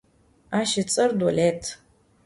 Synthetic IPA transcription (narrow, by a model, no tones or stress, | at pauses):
aːʃɪt͡sʼɐrdwɔletʰ